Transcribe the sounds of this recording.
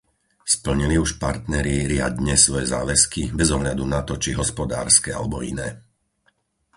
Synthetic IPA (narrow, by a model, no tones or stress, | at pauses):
spl̩ɲiliuʃpaɾt̪nɛɾiɾɪa̰d̪ɲɛsʋɔjɛza̰ːʋɛskibɛzɔɦʎad̪unat̪ɔt͡ʃiɦɔspɔd̪a̰ːɾskɛa̰lɛbɔinɛː